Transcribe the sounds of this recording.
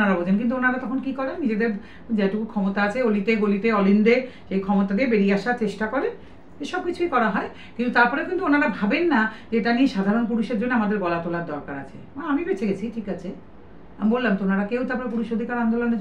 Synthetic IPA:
aɾabod͡ʑenk̬int̪uonaɾat̪ɔkʰonkikɔɾenːid͡ʑed̪eɾ | d͡ʑaʈukukʰɔmot̪aat͡ɕʰeoliʈ̪eɡolit̪eɔlinɖeʃejkʰɔmot̪ad̪iebeɾiaʃaɾt͡ɕeʃʈakoɾe | eʃɔb̚kit͡ɕʰuikɔɾaɦɔe | kint̪ut̪aɾpɔɾekint̪uonaɾabʱabenːad͡ʑeeʈanieʃad̪ʱaɾonp̬uɾuʃeɾd͡ʑonːeamad̪eɾɡɔlat̪olaɾd̪ɔɾkaɾa̰t͡ɕʰḛ | aamibet͡ɕʰeɡet͡ɕʰiʈʰikat͡ɕʰe | amibolːamt̪oonaɾakewt̪aɾp̬ɔɾepuɾuʃod̪ʱikaɾand̪olone

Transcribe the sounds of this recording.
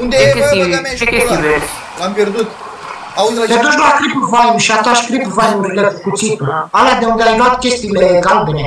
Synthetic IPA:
und̪e | ekʲest̪ive | ampjerd̪ut̪ | auped̪uʃlakɾipvajmʃiat̪aʃkɾipvajmuɾilekukut̪sit̪əalad̪e̞und̪eajluat̪kʲe̞st̪iːleeɡalbene

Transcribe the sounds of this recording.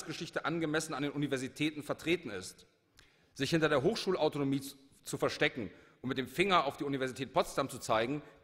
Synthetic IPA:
sɡ̥əʃɪçtəʔanɡəmɛsn̩andeːnʔunivɛɐzitʰɛːtn̩fɛɐtʁ̥eːtn̩ɪst | z̥ɪçhɪntɐɾeːɐɦoːxʃuːlaʊtonomiː | t͡sufɛɐʃtɛkŋ̩ʔʊntmɪt̚d̥eːmfɪŋɐaʊfd̥iːunivɛɐzitʰɛːt̚pʰɔtstamt͡su̥t͡saɪɡŋ̩

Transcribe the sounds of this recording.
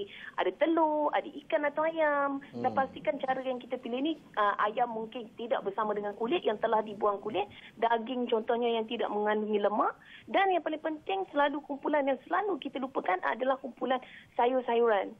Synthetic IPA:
ia̰dat̪əloadaʔikanat̪awajamdanpast̪ikant͡ʃaɾəjaŋkit̪əpilɪhni | ʔəʔa̰jamːuŋkɪnt̪ida̰ʔ̚bərsamãdəŋankulɪʔ̪jaŋt̪əlahdibuaŋkulɪʔ̪̚daɡɪŋt͡ʃɔnt̪ɔhɲajaŋt̪ida̰ʔməŋãnduŋiləmaʔdanjaŋpalɪŋpənt̪ɪŋsəlalukumpulanjaŋsəlalukit̪alupəkanʔa̰dalahkumpulansajʊrsajuɾan

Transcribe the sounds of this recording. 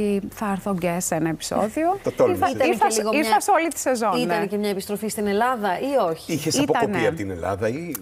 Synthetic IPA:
iθɐeɾθoɟesenɐepi̥so̰ðiot̪ɐt̪oiθɐt̪ɐiɾθɐlɣoiɾθɐsolit̪i̥se̞zoniɐnecemɲɐepist̪ɾofist̪ine̞lɐðɐʔioçi̥içesɐitpoɐonpiɐot̪inḛlɐ̰ðɐi

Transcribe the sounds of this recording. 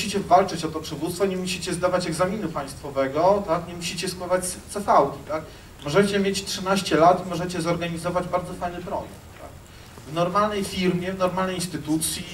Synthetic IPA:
ɕit͡ɕɛvalt͡ʂɘt͡ɕɔt̪ɔpʂɘvut̪st̪fɔɲɛmuɕit͡ɕɛzd̪avat͡ɕɛɡzamʲinupaj̃st̪fɔvɛɡɔt̪akɲɛmuɕit͡ɕɛskwavat͡ɕst̪sɛfawkʲit̪ak | mɔʐɛt͡ɕɛmʲjet͡ɕtʂɘnaɕt͡ɕɛlat̪mɔʐɛt͡ɕɛzɔɾɡaɲizɔvad͡ʑbaɾd̪zɔfajnɘpɾɔ̰jɛ̰k̚t̪ːa̰k | vnɔɾmalnɛjfʲiɾmʲjɛvnɔɾmalnɛjinst̪ɘt̪ut̪sʲji

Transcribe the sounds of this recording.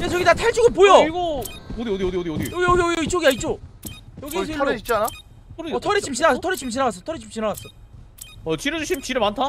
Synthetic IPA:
jet͡ɕʌɡitatʰaɭt͡ɕ͈uɡɯp̬ojʌiɡood̪iod̪iod̪iod̪iod̪iʌɡiʌɡiʌɡʌit͡ɕ͈oɡiait̚t͡ɕ͈ojʌɡɡisʰt͡ɕana | kɯɾʌtʰʌɾit͡ɕʰimɕʰinaɣasʌtʰʌɾit͡ɕʰimɕ̬ʰinaɣas̬͈ʌtʰʌɾit͡ɕʰimɕ͈ʰinaɣas͈ʌ | ʌt͡ɕiɾʌd͡ʑuɕʰimt͡ɕiɾɯmantʰa

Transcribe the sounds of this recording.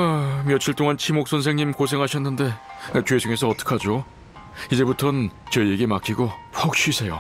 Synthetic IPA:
amjʌt͡ɕʰiɭt͈oŋant͡ɕʰimok̚s͈ʰʌnsʰe̞ŋɲimkos̬ʰe̞ŋɦaɕʰʌnːɯnde̞t͡ɕwesʰoŋe̞s̬ʰʌːt͈ʌ̥kʰad͡ʑo | id͡ʑe̞butʰʌnt͡ɕʌijeɡemakʰiɡopʰʌk̚ɕ͈ɥisʰe̞jo

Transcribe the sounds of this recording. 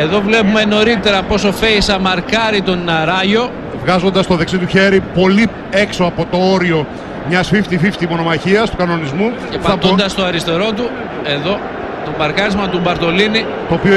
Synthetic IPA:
e̞ðo̞vle̞pume̞no̞ɾit̪e̞ɾɐpo̞so̞feisɐmɐɾkɐɾit̪o̞nnɐɾɐʝo̞ | vɣɐzo̞nd̪ɐst̪o̞ðeksit̪uçe̞ɾipo̞li | e̞ksoɐpo̞t̪o̞o̞ɾio̞ | mɲɐsfift̪ifift̪imo̞no̞mɐçiɐst̪ukɐno̞nizmuceɐɐp̪d̪ɐst̪o̞ɐɾist̪e̞ɾo̞t̪u | e̞ðo̞ | t̪o̞bɐɾkɐɾizmɐt̪ubɐɾt̪o̞lini | t̪oːpio

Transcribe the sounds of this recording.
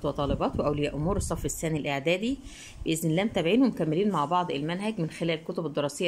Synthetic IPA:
t̪wet̪ˤɑːlebɑːt̪weʔæwlejːæʔomuːɾesˤːɑfːesːæːnilʔeʕd̪æːd̪i | beʔezɪnlæːmt̪æbʕiːnhomkæmːeliːnmaʕbɑʕd̪ˤelmænɦæɡmɪnxelæːlelkot̪obed̪ːeɾˤɑːsejː

